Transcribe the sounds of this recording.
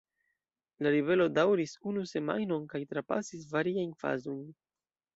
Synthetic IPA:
laɾive̞lo̞dawɾisunuse̞ma̰jno̞nkajtɾapa̰sisvaɾiajnfa̰zo̞jn

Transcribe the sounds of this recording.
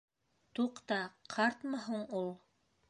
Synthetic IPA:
t̪uqt̪ɑqʰɑɾt̪mɑɦuɴulˠ

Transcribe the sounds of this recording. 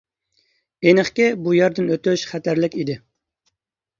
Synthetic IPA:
enɨχkʲɪbujɛɾd̪ɪnøt̪yʃχæt̪æɾlɪkʲid̪ɪ

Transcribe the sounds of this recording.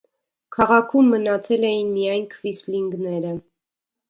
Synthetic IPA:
kʰɑʁɑkʰumːənɑt͡sʰɛlɛjinmijɑjnkʰvisliŋɡnɛɾə

